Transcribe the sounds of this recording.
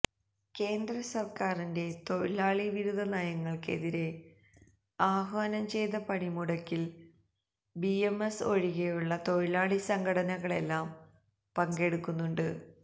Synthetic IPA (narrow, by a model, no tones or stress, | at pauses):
ke̞ːnd̪rɐsɐrkaːrinde̞t̪o̞ɻilaːɭiʋiɾud̪ðʱːɐnajɐŋːɐɭke̞̰ðiɾe̞ | aːhʋaːnɐmt͡ɕe̞jðɐpɐɳimuɽɐkːil | biemeso̞ɻiɣɐjuɭːɐt̪o̞ɻilaːɭisɐŋɡɐɽɐnɐɣɐɭe̞lːaːm | pɐŋɡe̞ɽukːunːuɳɖɨ